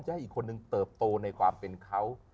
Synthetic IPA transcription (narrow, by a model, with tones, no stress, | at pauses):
mt͡ɕa˧˥˩ʔiː˨˩kʰːo˧nːɯ˨˧ŋt̪ɤː˨˩p̚t̪oː˧na˧jkʰwaː˧mpe˧nkʰa˦˥w